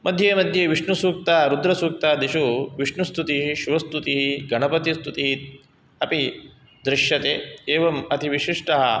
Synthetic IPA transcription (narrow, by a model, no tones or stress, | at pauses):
mɐd̪ʱjeːmɐd̪ʱjeʋiʂɳusuːk̚t̪aːɾud̪ɾɐsuːk̚t̪aːd̪iʃuʋiʂɳust̪ut̪iɦiʃuʋɐst̪ut̪iɦiɡɐɳɐpɐt̪ist̪ʰut̪iɦit̪ | ɐpi | d̪ɾɪʃjɐt̪eːeːʋɐmɐt̪ʰiʋiʃiʂʈɐɦɐ